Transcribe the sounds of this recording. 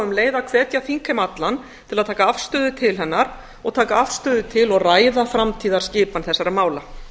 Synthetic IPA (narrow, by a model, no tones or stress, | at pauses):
ʏmleːjðakʰvɛːt̪jaθiŋkʰɛmat̪lan | t̪ʰɪlaðt̪ʰaːkaafst̪œːðʏt̪ʰɪlɦɛnːaɾ̥ | ɔɣt̪ʰaːkaafst̪œːðʏt̪ʰɪlɔɣraːjðafɾamt̪ʰiːðaɾ̥scɪːpanθɛsːaɾamaːwla